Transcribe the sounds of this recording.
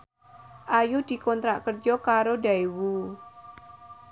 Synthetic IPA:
ʔajud̪̥i̤kɔnt̪ɾaʔkərd͡ʒɔkaɾodaiwu

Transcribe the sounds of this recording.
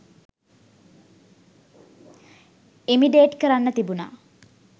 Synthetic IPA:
imiɖeːʈkəɾanːət̪ibuna̰ː

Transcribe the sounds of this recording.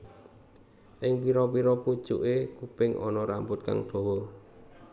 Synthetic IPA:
ʔɪŋpiɾɔpiɾɔpu̥ʒ̥uʔekupɪŋʔɔ̰nɔɾampʊt̪̚ka̰ŋd̪̥o̤wɔ

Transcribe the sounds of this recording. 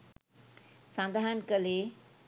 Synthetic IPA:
sãːnd̪ʱaɦənkəle

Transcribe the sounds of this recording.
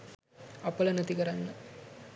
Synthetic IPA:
ɐpəlɐnɐt̪ikəɾanːə

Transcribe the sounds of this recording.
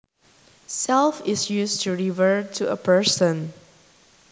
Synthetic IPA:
sɛlfɪsjustʰuɹivəɹtʰuə̰pʰə˞sə̃n

